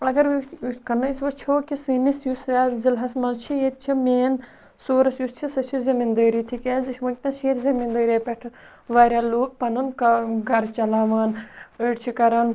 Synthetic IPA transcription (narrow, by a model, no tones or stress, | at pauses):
ɐɡɐɾkɐnɐsʋot͡ʃʰoːkisinisjusaːzilɦɐsmɐzt͡ʃʰijet̪̚t͡ʃʰimeːn | soːɾɐsjust͡ʃʰisɐt͡ʃʰizɐmind̪əːɾit̪ʰikeːzʰʋɐkʲnɐʃeːt̪zɐmind̪əːɾapɛʈʰ | ʋaːɾʲaːloːk̚pɐnɐnkɐɡʱɐɾt͡ʃɐlaːʋaːnəʈt͡ʃʰikɐɾɐn